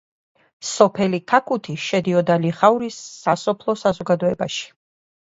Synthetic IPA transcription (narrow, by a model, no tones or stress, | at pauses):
sɔpʰɛlikʰakʰut̪ʰiʃɛd̪iɔd̪aliχauɾisːasɔpʰlˠɔsazɔɡad̪ɔɛbaʃi̥